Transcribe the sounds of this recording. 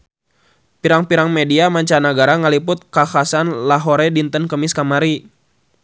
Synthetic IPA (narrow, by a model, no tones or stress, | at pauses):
piɾaŋpiɾaŋmediamaɲt͡ʃanaɡaɾaŋəlipʊt̪̚kaxasanlaɦoɾɛdint̪ənkəmiskamaɾi